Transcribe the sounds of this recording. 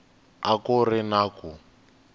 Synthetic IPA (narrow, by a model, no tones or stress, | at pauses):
akʊrɪnaku